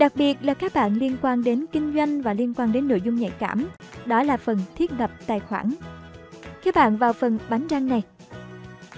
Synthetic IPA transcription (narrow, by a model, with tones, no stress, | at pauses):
ɗa˨˩k̚ɓi˨˩ət̚laː˨˩kaː˦˥k̚ɓa̰ː˧˨nli˧ənkwaː˧nɗe˨˦nkï˧ŋ̟zwa˧jŋ̟vaː˨˩li˧ənkwaː˧nɗe˨˦nːo̰˧˨jzʊ˧ŋ͡mɲa̰˧˨jka̰ː˧˩mɗɔ˨˦laː˨˩fə˨˩nt̪ʰi˦˥ət̚lə˨˩p̚t̪a̰ː˧˨jxwaː˧˩n | kɛː˨˦˥ɓa̰ː˧˨nvaː˨˩wfə˨˩nɓa˨˦nzaː˧ŋna˨˩j